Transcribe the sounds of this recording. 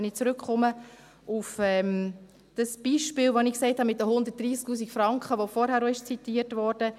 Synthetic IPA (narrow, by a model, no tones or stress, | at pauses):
nɪt͡sɾʏkχɔmə | ufɛm | d̥əsb̥iːʃpɪːlʋonɪkseɪthɑmɪt̚dəɦʊndərtd̥riːsk̚tuːs̬ikfɾɑŋkχəʋofɔɾhæːɾoɪʃt͡sitiːəɾtʋɔɾd̥ə